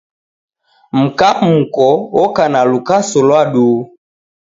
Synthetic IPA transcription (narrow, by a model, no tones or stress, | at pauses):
m̩kaukɔɔkanalukasɔlwaɗuː